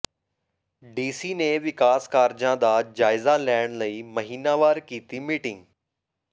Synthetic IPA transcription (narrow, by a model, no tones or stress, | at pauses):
ɖiːsineʋɪkaːskaːɾd͡ʒãd̪aːd͡ʑaːɪzalɛːɪɽ̃ləimɐɦiːnaʋaːɾkiːt̪imiːʈɪ̃ŋɡ